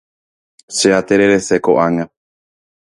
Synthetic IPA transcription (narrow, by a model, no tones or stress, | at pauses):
ʃeat̪eɾeɾe̞sekoʔaŋã